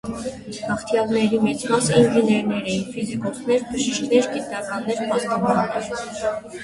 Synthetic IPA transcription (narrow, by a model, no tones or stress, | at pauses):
ɑχt̪ʰjɑlnɛɾimɛt͡sɑsind͡ʒinɛɾnɛɾɛjifizikɔt͡sʰnɛɾbəʒiʃkʰnɛɾɡit̪ɑkɑnːɛɾpʰɑst̪ɑbɑɾɛlɛɾ